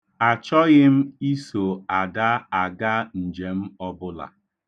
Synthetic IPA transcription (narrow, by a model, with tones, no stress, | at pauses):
a˨t͡ʃɔ˦ɣɪ˦m̩˦i˦so˨a˨da˦a˨ɡa˦n̩˨d͡ʒe˨m̩˦ɔ˦bʊ˦la̰˨